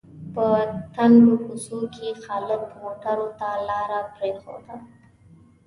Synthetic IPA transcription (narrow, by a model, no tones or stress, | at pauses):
pət̪anɖokʊsokexalɪkmoʈaɾot̪alɑɾapɾexo̰d̪a